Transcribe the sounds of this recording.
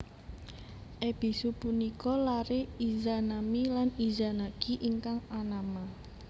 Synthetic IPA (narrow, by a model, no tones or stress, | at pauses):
ʔeb̥i̤supunikɔlaɾeizanamilanizanakiʔiŋkaŋanama